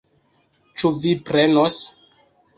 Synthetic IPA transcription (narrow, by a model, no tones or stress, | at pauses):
t͡ʃuvipɾenos